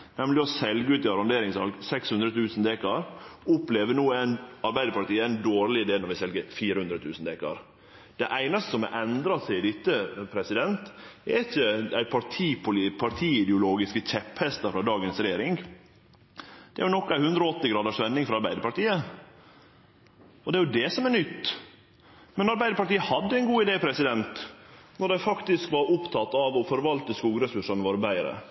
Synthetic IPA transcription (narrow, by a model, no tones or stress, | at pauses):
nɛmlɪɔsɛlɡəʉːt̪ɪɑɾɑnd̪eːɾɪŋsɑ̰lɡsɛkshʉnd̪ɾət̪ʰʉːsnd̪eːkɑɾʊpleːʋənuːæɪnɑɾbæɪd̪əpɑʈ̪iːəæɪnd̪oːɾlɪɪd̪eːlnɔɾʋɪsɛlɡəfiːɾəhʉnd̪ɾət̪ʰʉːsn̩d̪eːkɑ̰ɾ | d̪̥ɛʔæɪnɑst̪ə̥sɔmɛ̰ʔɛnd̪ɾɑsæɪɪd̪ɪt̪ːəpʰɾɛsɪd̪ɛnt̪ɛɾɪçːəæɪpʰɑʈʰiːpʰʊlipʰɑɾt̪ʰiːɪd̪ɛʊloːɡɪskəc͡çɛphɛst̪ɑfɾɑd̪ɑːɡənsɾɛjeːɾɪŋ | d̪̥ɛæɾjʊnɔkːæɪhʉnd̪ɾɔɔt̪ːɪɡɾɑːd̪əʂʋɛnːɪŋfɾɑɾbæɪd̪əɾpɑʈiːə | ɔd̪ɛæɾjʊd̪ɛsɔmæɾnʏt̪ː | mɛnɑɾbæɪd̪əɾpɑʈiːəhɑd̪ːəæɪnɡuːɪd̪eːpʰɾɛsɪd̪ɛnt̪nɔɖæɪfɑkt̪ɪskʋɑɾʊpt̪ʰɑt̪ːɑʋɔfɔɾʋɑlt̪əskuːɡɾɛsʉʂɑnʋɔɾbæɪəɾə̰